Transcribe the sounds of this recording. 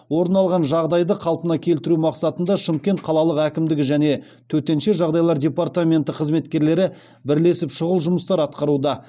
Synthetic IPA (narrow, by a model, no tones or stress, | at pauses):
wo̞ɾənɑlˠʁɑnʒɑʁd̪ɑjd̪əqʰɑlˠpənɑkʲʰe̞lt̪ɪɾumɑqsɑt̪ənd̪ɑʃəmkʲe̞nt̪̚qʰɑlˠɑlˠəqækʲɪmd̪ɪɡʲɪʒæne̞ | t̪ʰɵt̪e̞nʃeʒɑʁd̪ɑjlˠɑɾdʲe̞part̪amʲe̞nt̪ɪqʰəzme̞t̪kʲe̞ɾle̞ɾɪ | bɪɾle̞sɪpʃʊʁəlˠʒʊməst̪ɑɾɑt̪qɑɾud̪ɑ